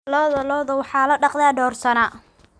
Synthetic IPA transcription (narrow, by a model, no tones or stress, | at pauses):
lɔːðɐlɔːðɐwɑħɑːlɐɖɑqðɛɖɔːrsɐna